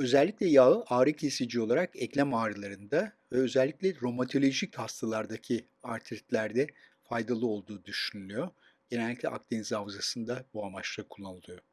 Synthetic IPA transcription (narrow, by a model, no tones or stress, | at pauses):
ø̞zɛlʲːiclʲɛjaʔaːɾɯcʰesid͡ʒio̞lˠaɾakɛclʲæmaːɾɯlˠaɾɯnd̪avɛø̞zɛlʲːiclʲɛɾo̞mat̪ʰo̞lʲo̞ʒichast̪ʰalˠaɾd̪acʰi | aɾt̪ʰist̪lʲæɾd̪ɛfajd̪alˠɯo̞lˠd̪uːd̪yʃynylʲyjo | ɟ̥enɛlʲːicʲlʲɛ̰ʔa̰k̚t̪ʰenizavzasɯnd̪abuamat͡ʃlˠakʰulˠːanɯlˠɯjo